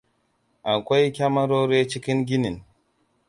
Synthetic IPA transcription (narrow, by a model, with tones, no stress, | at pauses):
ʔa˨kʷa˦jkʲa˦mɐ˦ɾoː˦ɾeː˦t͡ʃi˦kʲɪ˦ŋɡʲi˦ni˨n